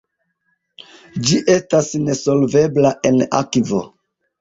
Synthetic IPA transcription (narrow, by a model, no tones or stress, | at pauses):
d͡ʒiʔe̞stasne̞so̞lve̞blaʔe̞na̰kivo̰